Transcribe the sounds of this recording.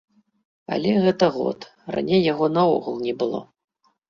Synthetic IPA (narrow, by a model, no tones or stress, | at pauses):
a̰lʲɛɣɛt̪ɐɣɔ̰t̪ | ra̰nʲejːaɣɔnɐɔ̰ɣulˠnʲɛbɨlˠɔ̰